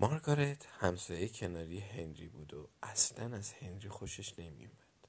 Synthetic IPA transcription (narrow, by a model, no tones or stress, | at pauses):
mɒɾɡɒɾet̪hæmsɒːjejcʰe̞nɒːɾijeɦe̞nɾibuːd̪oæslænæz̥he̞nɾiːxo̞ʃe̞ʃne̞mḭjumæd̪̥